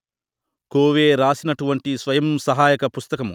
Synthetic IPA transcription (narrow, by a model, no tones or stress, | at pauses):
koːʋeːɾaːsinɐʈuʋɐɳʈisʋɐjɐmsɐɦaːjɐkɐpust̪ɐkɐmu